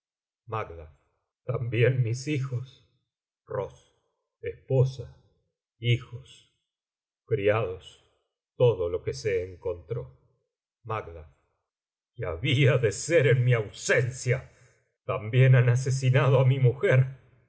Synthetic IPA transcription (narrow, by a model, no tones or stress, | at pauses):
maɡlaf | t̪ambjenmisixos | ros | espo̞sa | ixos | kɾiaðos | t̪oðolo̞kese̞ːŋko̞nt̪ɾo | maɡlaf | keaβiaðe̞seɾenmiawsensja | t̪ambjenanas̬es̬inaðoamimuxeɾ